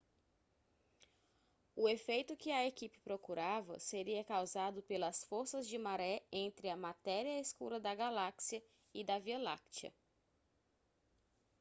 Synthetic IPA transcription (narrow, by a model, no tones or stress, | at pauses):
ʊefejt̪ʊkɪɐekipɪ̥pɾokuɾavɐ̰seɾiɐkawzad̪ʊpelɐsfoɾsɐzd͡ʒɪmaɾɛẽnt̪ɾɪɐmat̪ɛɾiɐeskuɾɐd̪ɐɡalaksiɐ | ɪd̪ɐviolakt͡ʃɐ̰